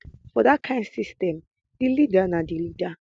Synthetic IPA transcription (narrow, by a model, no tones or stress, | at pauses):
fɔdakʰãɪ̃ndsistɛ̃m | d̥ilidanadilida